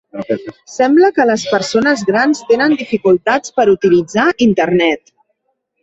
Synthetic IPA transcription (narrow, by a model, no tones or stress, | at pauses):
sɛmbləkələspəɾsonəzɣɾanst̪enənd̪ifikulˠt̪at͡spəɾut̪ilid͡zaint̪ərnɛt̪